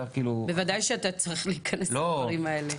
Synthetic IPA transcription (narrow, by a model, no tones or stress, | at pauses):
akiːlube̞vadajʃeat̪at͡saʁiχliːkʰɐnesloʁimae̞le